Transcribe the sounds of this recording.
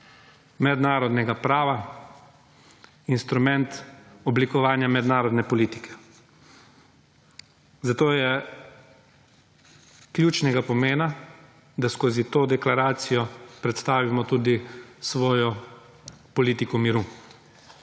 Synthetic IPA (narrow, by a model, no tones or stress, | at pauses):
mɛd̪naːɾɔd̪nɛɡapɾaːʋa | inst̪ɾumɛnt̪ɔblikɔʋaːnjamɛd̪naːɾɔd̪nɛpɔliːt̪ikɛ̥ | zat̪oːjɛ | kljuːt͡ʃnɛɡapɔmeːna | d̪askoːzit̪oːd̪ɛklaɾaːt̪sijɔpɾɛt̪st̪aːʋimɔt̪ud̪isʋɔːjɔ | pɔliːt̪ikɔmiɾu